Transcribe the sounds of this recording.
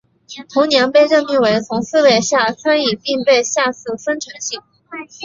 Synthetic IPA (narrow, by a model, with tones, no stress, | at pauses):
t̪ʰʊ˧˥ŋnjɛ˧˥npe˥˧ɪɻə˥˧nmi˥˩ŋwe˧˥ɪt͡sʰʊ˧˥ŋsɹ̩˥˧we˥˩ɪɕja˥˩t͡sʰa˥ni˥˩pi˥˧ŋpe˥˧ɪɕja˥˧sɹ̩˥˩fə˥nʈ͡ʂʰɤ˧˥ŋɕi˥˩ŋ